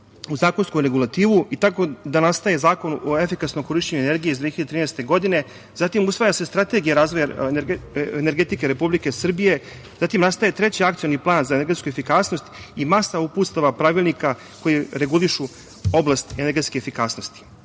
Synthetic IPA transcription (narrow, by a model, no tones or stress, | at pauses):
uzaːkonskomɾe̞ɡulˠat̪iːʋuit̪ako̞d̪anast̪ajezaːko̞noefikasnomko̞ɾiʃt͡ɕeɲuene̞ɾɡijeizd̪vieʎadet̪ɾiːnɛst̪e̞ɡo̞d̪ine̞ | zat̪imusʋaːjase̞st̪ɾat̪e̞ɡijaɾaːzʋo̞ja | ene̞ɾɡe̞t̪ike̞ɾe̞publike̞sr̩bije̞ | zat̪imnast̪ajet̪ɾe̞t͡ɕiak̚t̪sijo̞niplˠaːnzaene̞ɾɡe̞t̪skue̞fikaːsno̞st̪imasauput̪st̪aʋapɾaʋilˠnika | ko̞jeɾe̞ɡuliʃu | o̞blast̪ene̞ɾɡet̪skeefikasno̞st̪i̥